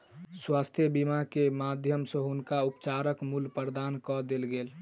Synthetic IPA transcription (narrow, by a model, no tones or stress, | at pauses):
swast̪ʰjəbimakemad̪ʱjəmsə̃ɦʊnkaupt͡ʃaɾəkmulpəɾd̪ankɔd̪elɡeːl